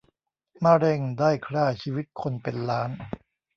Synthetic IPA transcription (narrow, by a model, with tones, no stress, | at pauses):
maː˧˩ɾe˧˩ŋdaː˥˩jkʰɾaː˥˩t͡ɕʰiː˧wi˦˥t̪̚kʰo˧npe˧nlaː˦˥n